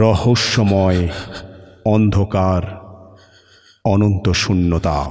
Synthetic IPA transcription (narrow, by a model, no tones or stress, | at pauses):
ɾɔhoʃːɔmɔe | ɔnd̪ʱokaɾ | ɔnont̪oʃunːot̪a̰